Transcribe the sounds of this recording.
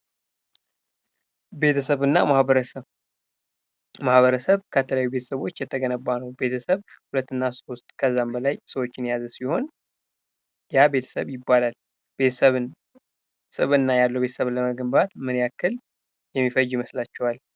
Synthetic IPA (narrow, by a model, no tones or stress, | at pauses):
be̞t̪ʰəsəβɨnːa̰mahəɾəsə | mahβəɾəsəβkʰət̪ʰələjajːube̞t̪ʰə̥səβo̞t͡ʃːjɛt̪ʰːəɡənəbːanəwbe̞t̪ʰəsəβhulət̪ːɨnːaso̞st̪ʼkʰəzːambəlajsəwo̞t͡ʃːɪnjazəsiho̞n | jabe̞t̪ʰə̥sə̰βjɪbːalal | beəβɨn | sʼɨβɨnːajalːəwbe̞t̪ə̥səβləməɡɨmbat̪mɨnjakːɨl | jɛmːifəjiməslat͡ʃːɛwal